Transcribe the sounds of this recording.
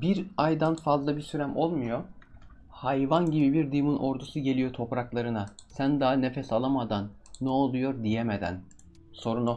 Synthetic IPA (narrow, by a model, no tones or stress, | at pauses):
biɾajd̪anfazlˠabisyɾæmo̞lˠmujo | hajvanɟibibiɾd̪ɯjmunʔo̞ɾd̪usuɟe̞lʲijo̞t̪ʰo̞pɾaklˠaɾɯnasænd̪anefɛsalˠamad̪anːɛolˠujo̞ɾd̪ijemed̪æ̰n | so̞ɾuno